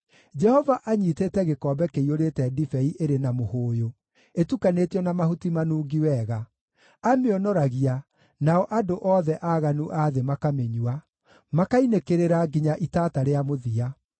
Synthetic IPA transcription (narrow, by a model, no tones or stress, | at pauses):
d͡ʒɛhɔvaʔaɲiːtetɛɣekɔːbɛkeioɾeːtɛdifɛiʔeɾenamohoːjo | etukaneːtiɔnamahutimanuːɡiwɛːɣa | ameɔnɔɾaɣia | naɔʔadoʔɔːðɛʔaːɣanuʔaðemakameɲua | makainekeɾeɾaɡiɲaʔitaːtaɾeamoðia